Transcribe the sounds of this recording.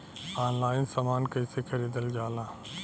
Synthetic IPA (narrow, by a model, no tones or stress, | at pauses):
aːnlaːɪnsəmaːnkəiseːkʰəɾiːd̪əld͡ʒaːlãː